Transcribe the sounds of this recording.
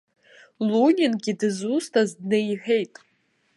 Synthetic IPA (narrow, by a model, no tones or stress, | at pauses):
lunʲinɡʲidɨzustʰazdnɨiħejtʼ